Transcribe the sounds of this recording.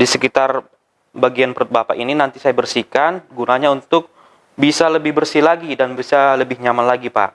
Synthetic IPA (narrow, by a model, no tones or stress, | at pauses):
disəkit̪ar | baɡianpəɾʊt̪̚bapa̰ʔininant̪isajabərsikanɡunaɲaunt̪ʊk̚ | bisaləbɪhbərsilaɡidanbisaləbɪhɲamanlaɡipa̰ʔ